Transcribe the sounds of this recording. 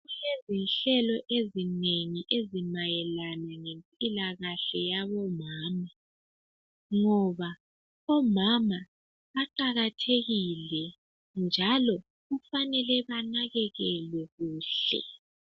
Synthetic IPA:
ɣulezinɬɛlɔʔezineŋiʔezimajɛlanaŋempʼilaɣaɬɛjaβɔmaːma | ŋɔβa | ɔmama | aǃaɣatʰeɣilɛ | nd͡ʒʱalɔ | ɣufanɛlɛβanaɣɛɣɛlwɛɣuːɬɛ̰

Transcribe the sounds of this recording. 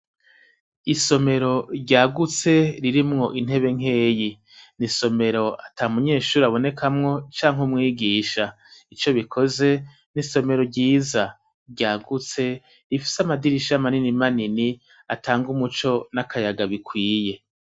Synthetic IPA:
iso̞me̞ɾo̞ɾɟaːɡut͡se̞ɾiɾimŋo̞ʔin̥ɦe̞βe̞ŋ̥ɦe̞ːji | niso̞me̞ɾo̞ataːumuɲe̞ːʃuːɾiaβo̞ne̞kʰamŋo̞t͡ʃaːŋɦumŋiːɡiːʃa | it͡ʃo̞βikʰo̞ze̞ | niso̞me̞ɾo̞ɾɟiːza | ɾɟaːɡut͡se̞ | ɾifi̥samadiɾiʃamaninimanini | atʰaːŋɡumut͡ʃo̞nakajaɡaβikwiːje̞

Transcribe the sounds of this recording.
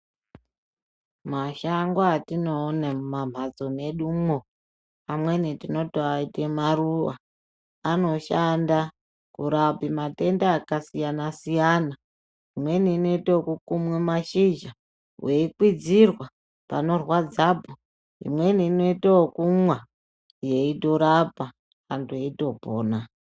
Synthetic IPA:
maʃaŋɡwatinoːnemumam̤ʱad͡zo̞ne̞ɗumo | amwe̞nitino̞toaitemaɾuwa̰ː | no̞ʃanda | kuɾabimate̞ndaːkasijanasijana | imwe̞niːno̞itaokukumwemaʃid͡ʒa | wʔe̞ikwid͡zirwa | pa̰no̞rwad͡zaːbʱo | ḭmwe̞niːno̞itawokumwa | je̞ito̞ɾapa | kantʰuje̞ito̞poːna

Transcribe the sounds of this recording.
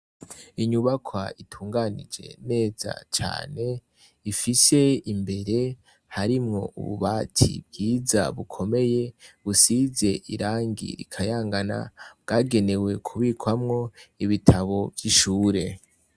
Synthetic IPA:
iɲuβakʰwa̰itʰuːŋɡanḭd͡ʒe̞̰ne̞ːza̰t͡ʃa̰ːne̞ | ifise̞imbe̞ɾe̞ | haɾimŋo̞̰ṵβṵβaːtʰḭb̚ɡiːza̰βukʰo̞me̞je̞βusize̞ʔiɾaːŋɡḭɾḭkʰajaːŋɡana̰βɡ̥aːɡe̞ne̞we̞kʰuβikwamŋo̞iβitʰaβo̞vjiʃuːɾe̞

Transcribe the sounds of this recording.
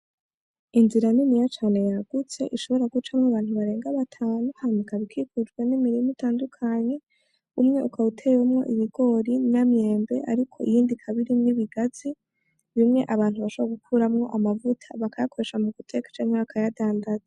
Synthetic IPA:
inziɾaninijat͡ʃaːne̞jaɡ̥ut͡se̞̰ʔiʃo̞βo̞ɾaɡut͡ʃamŋoaβaːn̥huβaɾe̞ːŋɡaβatʰaːnohanikaβikʰikud͡ʒɡwe̞nimiɾimitʰaːndukʰaɲe̞ | umŋe̞ukautʰe̞jumŋo̞ʔiβiɡo̞ɾinamje̞ːmbe̞̰ʔa̰ɾikʰo̞̰ijiːndikʰaβiɾimŋiβiɡazi | βimŋe̞ʔaβaːn̥huβaʃoβoaɡukʰuːɾamŋo̞ʔamavutʰaβakajakʰo̞ɾe̞ʃamuɡutʰe̞kḁt͡ʃanaβakʰajadaːndaza

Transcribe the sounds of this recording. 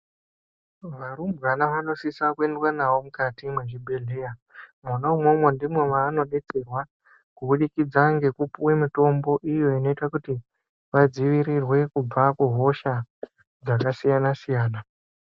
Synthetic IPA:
ʋaɾumbɣanaʋano̞sisakue̞ndwanawo̞mukatimweʐibʱe̞ɮe̞jamunaumomondimwe̞ʋaːno̞ɗe̞t͡se̞rwa | kuɓuɗikid͡zaŋɡe̞kupuwe̞mito̞mbo̞ʔijo̞ino̞itakuti | ʋad͡ziʋiɾirwe̞kub͡vakuɦo̞ʃa | d͡zakasijanasijaːna

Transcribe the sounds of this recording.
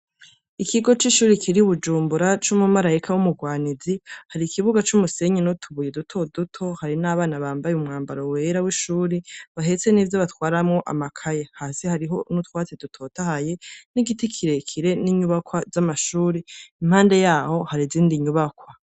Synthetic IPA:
ikʰiɡo̞t͡ʃiʃuːɾikʰiɾiuβud͡ʒuːmbuɾat͡ʃumumaɾaikʰawumuɡwaːnizihaɾikʰiβuɡat͡ʃumuse̞ɲinotʰuβujedutʰo̞dutʰo̞haɾinaːβaːnaβaːmbajeumŋaːmbaɾowe̞ɾawiʃuːɾiβaɦe̞t͡se̞niːvjoβatwaːɾamŋo̞ʔa̰makʰajehaːsihaɾiɦo̞nutwaːt͡sedutʰo̞ːtahaje̞niɡitikʰiɾekʰiɾe̞niɲuβakwazamaʃuːɾiim̥haːnde̞jaːho̞haɾiziːndiɲuβakwa

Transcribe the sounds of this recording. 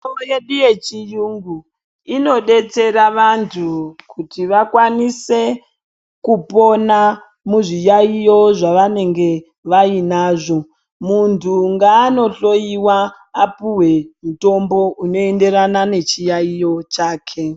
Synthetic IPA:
ojeɗiet͡ʃijuŋɡu | ino̞ɗe̞t͡se̞ɾaʋantʰukʰutiʋakwanise̞ | kupo̞na | muʐijaijo̞ʐaʋane̞ŋɡe̞ | ʋainaːʐo̞ | muntʰuŋɡaːno̞ɬo̞jiwaː | puwe̞muto̞mbo̞ʔuno̞e̞nde̞ɾanane̞t͡ʃijaijo̞t͡ʃaːkʰe̞

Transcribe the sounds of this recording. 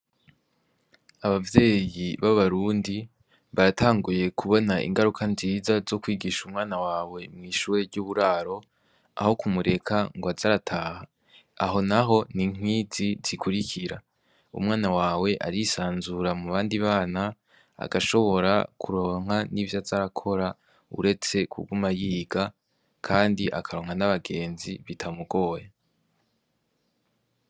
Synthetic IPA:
aβavje̞ːjiβaβaɾuːndi | βaɾataːŋɡuje̞kuβo̞naʔḭŋɡaɾukʰanziːzazo̞kwiːɡiʃumŋaːnawaːwe̞mŋiːʃuːɾe̞ɾɟuːβuɾaːɾo̞ | a̰ho̞kumuɾe̞kʰaŋɡoazaɾatʰaːha | a̰ɦo̞naɦo̞niŋ̥wiːziz̥ikʰuɾiciɾa | ṵmŋaːnawaːwe̞ʔa̰ɾisaːnzuɾamuβaːndiβaːna | a̰ɡaʃo̞βo̞ɾakʰuɾo̞ːŋ̥ɦanivjazaɾakʰo̞ɾa | ṵɾe̞t͡se̞kʰṵɡumajiːɡa | kʰaːndiʔa̰kʰaɾo̞ːŋhanaβaɡe̞ːnziβitʰamuɡ̥o̞ːja

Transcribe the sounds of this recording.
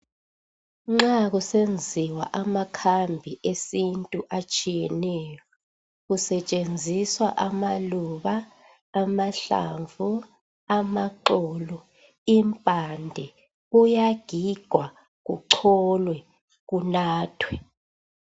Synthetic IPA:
ŋ͡ǁaɣusend͡zʱiwa̰ʔamakʰambʱiʔesintʼuʔat͡ʃʼijɛnɛjɔ | ɣusɛt͡ʃʼend͡zʱiswa̰ʔamaluβaː | maɬa̰ɱvu | amaǃɔːlɔ | impʼandʱɛ | ujaɡ̥ʱiɡ̥ʱwa | ɣuǃʰɔlwɛ | ɣunaːtʰwɛ

